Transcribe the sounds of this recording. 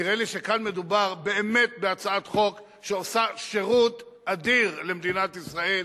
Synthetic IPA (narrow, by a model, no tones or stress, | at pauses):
iʁeliʃekanme̞d̪ubaʁbe̞ːme̞t̪̚beat͡saat̪χo̞k | ʃeosaʃeʁut̪ | ad̪iʁlemd̪inat̪isʁae̞l